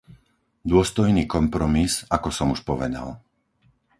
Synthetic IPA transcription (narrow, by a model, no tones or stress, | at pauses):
d̪ʊɔst̪ɔjniːkɔmpɾɔmizakɔsɔmuʃpɔʋɛd̪a̰l